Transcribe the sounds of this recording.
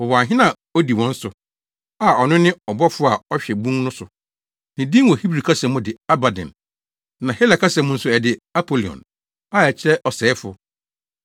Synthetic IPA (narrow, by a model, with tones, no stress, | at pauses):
ɔ˨wɔ˨a˨ɦɪ̃˦nã˨ | o˦di˨wɔ̃˦n̩˦sʊ˨ | a˨ɔ˨nʊ̃˦nɪ̃˦ɔ˨bɔ˦fʊ˦a˨ɔ˦ɕᶣɛ˨bũ˦ŋ˦nʊ̃˦sʊ˨ | nɪ̃˨dĩ˦wɔ˨hi˦bɾi˨kʰa˦sɛ̃˨mʊ̃˦dɪ˨a˦ba˨dɛ̰̃˨n | nã˨hɛ˦la˨kʰa˦sɛ̃˨mʊ̃˦n̩˦sʊ˦ɛ˨dɪ˦a˦pʰo˦li˨ɔ̰̃˨n | a˦˨ɛ˨t͡ɕʰɪ˦ɾɛ˦ʔɔ˨sɛː˨˦fʊ˦